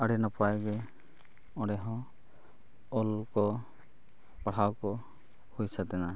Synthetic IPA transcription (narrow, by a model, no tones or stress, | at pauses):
əɽinapajɡe | ɔ̃ɽɛɦɔ̃ | ɔlkɔ | paɽ̤awkɔ | hujsat̪ɛna